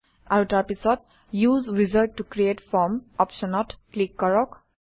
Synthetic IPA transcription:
aɹutaɹpisɔt̚ | juzɹizəɹʈːukɹietfɔmɔpʃɔnɔtklikːɔɹɔk

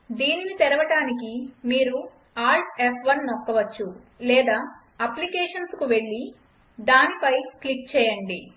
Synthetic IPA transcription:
d̪iːninit̪ɛɾɐʋɐʈaːnikimiːɾu | aːɾʈepʰʋɐnːokːɐʋɐt͡ʃːu | lɛːd̪aː | ɐplikɛːʂɐnskuʋe̞ɭːi | d̪aːnipɐjklik̚t͡ʃɛːjɐɳɖi

